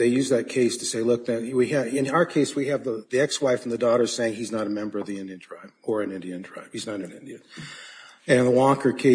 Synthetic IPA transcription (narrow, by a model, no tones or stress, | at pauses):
ðeɪjʉzðɨt̚kʰeɪstʰɨseɪlʊk̚ðɨ̃wiɨɪ̃naʊə˞kʰeɪswiɨvðəðiɛkswaɪfn̩ðɨdɔɾə̥˞seɪɪ̃ŋiznəɾəmɛ̃mbə˞ʌvðiɪ̃ndiɨ̃ntʰɹ̥aɪb̥̚ə˞ɨ̃nɪ̃ndiɨ̃ntʰɹ̥aɪb̥hiznəɾɨ̃nɪ̃ndiɨ̃n | ɨ̃nðəwɔkə˞kʰeɪ